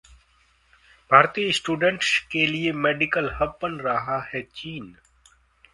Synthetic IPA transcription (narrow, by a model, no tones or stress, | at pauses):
bʱaːɾt̪iːsʈuːɖə̃ɳʈskeliemeːɖɪkəlhɐbpənɾɐɦahɛt͡ʃiːn